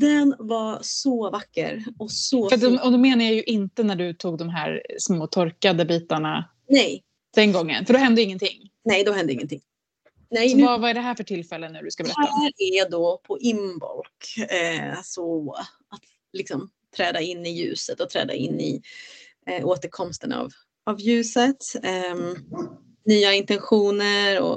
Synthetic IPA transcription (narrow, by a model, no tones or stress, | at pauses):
d̪ɛnvasɔvakːə̰ɾɔsɔfɾat̪d̪ɔɔd̪ɔmeːnajajɵʔɪnt̪ənæɖɵt̪ʰuːɡd̪ɔmɦæ̰ːɾsmoːt̪ʰɔɾkad̪əbiːt̪aɳa | nɛj | d̪̥ɛnɡɔŋːə̰nfœɖɔɦɛnd̪əɪŋːənt̪ʰɪŋːnɛjd̪ɔhɛnd̪əɪŋːənt̪ʰɪŋː | nɛjɔvavaɛɖɛɦæːɾfœʈʰɪlfɛlːənːʉ̟ːɖɵskabɛɾɛaæːɾɛd̪ɔpʰɔʔɪmbɔ̰lkɛsɔ | at̪ | lɪksɔm | t̪ʰɾɛːd̪aɪnːɪjʉ̟ːsət̪ɔt̪ʰɾɛ̰ːd̪a̰ɪ̰nːɪ̰ | ʔoːt̪əɾkʰɔmst̪əna̰v | avjʉ̟ːsət̪ | nyːaɪnt̪ɛnɧuːnəɾɔ̰